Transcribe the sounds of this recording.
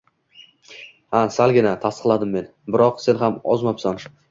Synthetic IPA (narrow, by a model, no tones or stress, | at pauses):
hasalˠɡʲɪnat̪ʰast̪ə̥qlˠad̪ɪmːe̞n | bɪɾɒqse̞nɦamɒzmɒpsan